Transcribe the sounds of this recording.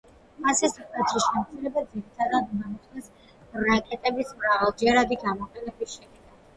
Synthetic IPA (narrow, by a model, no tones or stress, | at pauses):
masisikʼat̪ʰisʃɛmt̪sʰʼiɾɛbad̪ziɾit̪ʰad̪ad̪mamɔsʼnɛs | ɾakʼɛt̪ʼɛbismɾavalˠd͡ʒɛɾad̪iɡamɔqʼɛnɛbisʃɛd̪na